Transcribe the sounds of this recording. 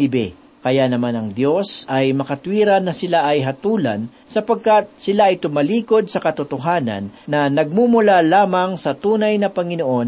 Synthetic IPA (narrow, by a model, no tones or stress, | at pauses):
ɪbɛ̰ | kɐjanɐmanɐŋd̪jo̞sɐjmɐkɐt̪wiːɾɐnːɐsɪlaʔɐjɦɐt̪uːlɐ̰n | sɐpɐɡ̚kat̪̚sɪlaʔɐjt̪ʊmɐliːko̞d̪̚sɐkɐt̪ʊt̪oɦaːnɐ̰nːɐnɐɡ̚mumʊlalaːmɐŋsɐt̪uːnɐjnɐpɐŋɪnoʔo̞n